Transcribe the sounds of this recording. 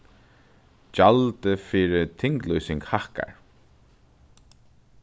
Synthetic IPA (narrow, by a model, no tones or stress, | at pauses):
d͡ʒalt̪əfiːɾɪt̪ʰɪŋklujsɪŋkhahka̰ɹ